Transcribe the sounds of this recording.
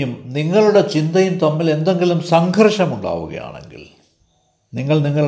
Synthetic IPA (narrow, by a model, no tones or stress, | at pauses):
umniŋːɐɭuɽe̞t͡ɕind̪ɐjunt̪ɐmːile̞nd̪o̞ŋɡilumsɐŋɡʱɐrʂɐmuɳɖa̰ːʋṵɣɐ̰ja̰ːɳe̞̰ŋɡḭl | niŋːɐɭniŋːɐɭ